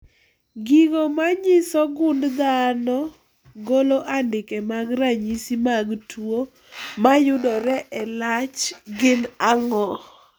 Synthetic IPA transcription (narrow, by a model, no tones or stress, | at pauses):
ɡiɡomaɲɪsɔɡʊndd̪anɔ | ɡoloʔandɪkɛmaɡɾaɲisimaɡtʰwo | majʊdɔɾɛʔɛlat͡ʃɡɪnaŋɔ